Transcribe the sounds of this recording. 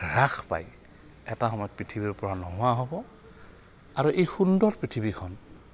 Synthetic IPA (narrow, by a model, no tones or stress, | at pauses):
ɹaxʰpa̰j | ɛtaxɔmɔjɔt̚pɹitʰibiɹpɔɹanɔɦʊwaɦobɔ | aɹuʔejxundɔɹpɹitʰibikʰɔn